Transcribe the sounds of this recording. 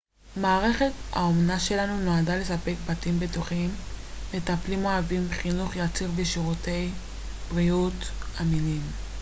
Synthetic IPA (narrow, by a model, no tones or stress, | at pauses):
maːʁe̞χe̞ta̰omnaʃe̞lanunoadale̞sape̞k̚batimbetuχim | letaplimoavimbeχinuχjat͡siʁbeʃiʁute̞j | bʁijutaminim